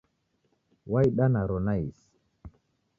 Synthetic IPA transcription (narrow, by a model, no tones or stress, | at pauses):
wajɗanaɾonais